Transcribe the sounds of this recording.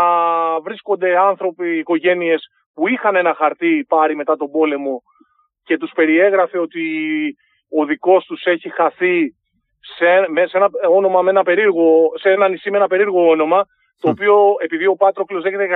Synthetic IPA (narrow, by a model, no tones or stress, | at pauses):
vɾisko̞nd̪e̞ɐnθɾo̞piːko̞ʝe̞nie̞s | puixɐne̞nɐxɐɾt̪ipɐɾime̞t̪ɐt̪o̞bo̞le̞mo̞ | ce̞t̪uspe̞ɾie̞ɣɾɐfe̞ot̪i | o̞ðiko̞st̪use̞çixɐθi | semesenɐo̞no̞mɐme̞nɐpe̞ɾiɾɣo̞senɐnisimenɐpe̞ɾiɾɣo̞ono̞mɐ | t̪o̞ːpio̞e̞piðio̞pɐt̪ɾoklo̞zðeçet̪e